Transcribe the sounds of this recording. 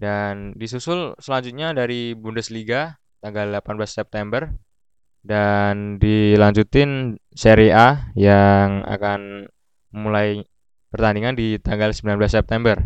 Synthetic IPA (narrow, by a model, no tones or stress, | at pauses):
dandisusʊlsəlaɲd͡ʒut̪̚ɲadaɾibundəsliɡa | t̪aŋɡaldlapanblasːɛp̚t̪ɛmbər | dandilaɲd͡ʒut̪ɪnseɾeʔajaŋa̰kan | mulaj | pərt̪andiŋandit̪aŋɡalsəmbilanblasːɛp̚t̪ɛmbər